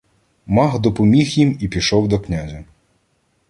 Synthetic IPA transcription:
mɑɦd̪ɔpɔmʲixjimipʲiʃɔwd̪ɔknʲazʲɐ

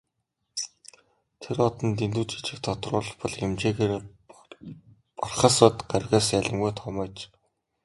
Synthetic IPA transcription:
t̪ʰerɔt̪ɞ̆nt̪ent̪uːt͡ɕi̥t͡ɕɪ̆k̚t̪ʰɔt̪rʊːɮ̆χpɔɮxemt͡ɕeːɣeːr | pɔrχăːsɔːt̪ɢarɣaːsjæɮʲɪ̆mɡujt̪ʰɔmɔːt͡ɕ

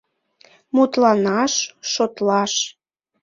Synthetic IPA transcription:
mut̪lɑnɑʃːot̪lɑʃ

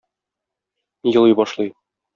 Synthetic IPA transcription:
jɤ̆lˠɤjbɒʃlˠɤj

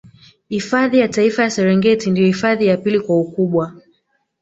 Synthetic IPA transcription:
hifaðijataifajasɛɾɛŋɡɛtindijɔhifaðijapilikwaukuɓwa

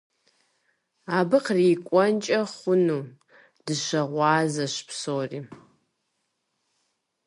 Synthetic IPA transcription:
aːbɨqriːkʷʼɔnt͡ʃʼɐχʷʊnuː | d̥ɨʃɐʁʷɑːzɐʃpʰsoːriː

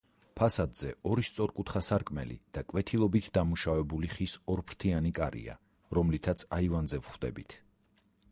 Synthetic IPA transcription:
pʰasad̪z̥ɛɔɾist̪sʼɔɾkʼut̪ʰχasaɾkʼmɛ̰lḭd̪̥akʼwɛt̪ʰilˠɔbit̪ʰd̪amuʃavɛbuliχisɔɾpʰɾt̪ʰianikʼaɾḭa̰ | ɾɔmlit̪ʰat̪sʰaivanzɛvχwd̪ɛ̰bit̪ʰ

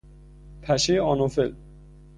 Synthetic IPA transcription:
pʰæʃeɒnofel

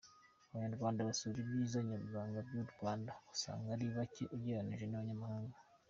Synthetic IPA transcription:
aβaɲaɾɡwaːndaβasuβiɾibɟiːzaɲaɾɡwaːŋɡabɟuɾɡwaːndausa̰ːŋɡaɾiːβaceʔuɟeɾaniʒenaβaɲamahaːŋɡa

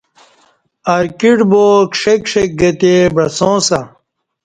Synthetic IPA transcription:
ɐɾkiʈboːkʂekʂek̚ɡɐt̪ebɾɐsõːsɐ

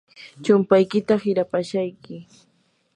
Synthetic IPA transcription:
t͡ʃʊmpajkɪt̪ahɪɾapaʃajkɪ

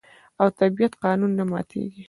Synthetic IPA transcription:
awt̪abijat̪qɑnunːamɑ̰t̪ʰḛɡi

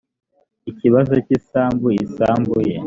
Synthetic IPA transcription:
iciβazo̞cisaːmbuisaːmbuje

